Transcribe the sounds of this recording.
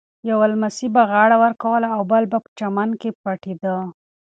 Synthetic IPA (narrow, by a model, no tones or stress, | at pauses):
jawalmasibaɣɑɽawəɾkawəlaːwbəlbapə̥t͡ʃamankepaʈed̪ə